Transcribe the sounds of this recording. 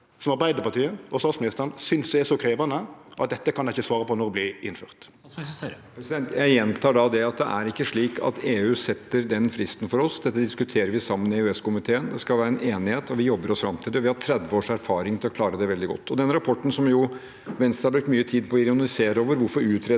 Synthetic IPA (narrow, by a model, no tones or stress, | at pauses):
sɔmɑɾbæɪd̪əpɑʈ̪iːəɔst̪ɑːt̪smɪnɪst̪əɾnsʏnsd̪ɛɛsɔkʰɾeːʋɑnəʔɑ̰t̪̚d̪ɛt̪ːəkʰɑnæɪçːəsʋɑːɾəpɔnɔɾblɪɪnfy̰ːɾt̪ | pɾɛsd̪ɛnt̪jæɪjɛnt̪ʰɑːɖɑd̪ɛɑt̪d̪ɛ̰ʔæɾɪkːəʂɭiːkʰɑ̰t̪eːʉːsɛt̪ːəɾd̪ɛnfɾɪst̪n̩fɔɾɔsd̪ɛt̪ːəd̪ɪskʉt̪ʰeːɾəɾʋɪsɑmːənɪeʉɛskʊmɪt̪ʰeːənd̪ɛskɑlæːɾəɛneːnɪheːt̪ɔʋɪjɔbːəɾɔsfɾɑmt̪ʰiːd̪əɔʋɪhɑt̪ʰɾɛd̪ʋəoːʂæɾfɑːɾɪŋt̪ɪlɔkʰlɑːɾəd̪ɛʋɛld̪ɪɡɔ̰t̪ːɔd̪ɛnəɾɑpʰɔʈːn̩sɔmjʊ | ʋɛnst̪ɑɾbɾʉk̚t̪myːət̪ʰiːd̪̚pʰɔɪɾɪʊnɑlɪseːɾəoːʋəɾʋʊɾfɔɾʉːt̪ʰɾeː